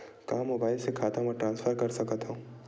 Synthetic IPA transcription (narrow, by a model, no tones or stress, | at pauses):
kaːmːoːbaːɪlsekʰaːt̪əɦmɔʈɾãːnsfʰəɾkɐɾsɐkət̪ɦũː